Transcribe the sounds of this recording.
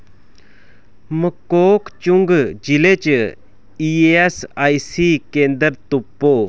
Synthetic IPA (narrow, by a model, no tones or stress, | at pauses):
məkoːkt͡ɕuŋɡd͡ʑilet͡ɕ | ieesajsikeːnd̪əɾt̪upːo